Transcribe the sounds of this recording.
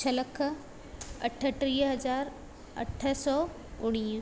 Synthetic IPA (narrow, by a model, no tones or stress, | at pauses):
t͡ʃʰəlɐkʰə | ɐ̰ʈʰə̆ʈɾiːɦɐzaːɾ | ɐ̰ʈʰəsɔː | ʊɽ̃iː